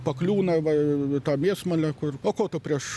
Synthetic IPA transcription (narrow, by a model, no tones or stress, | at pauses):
pɐklʲuːnɐʋɐt̪ɑːmʲiːsmɐlʲɛkʊroːkoːt̪ʊpʲɾʲiɛʃ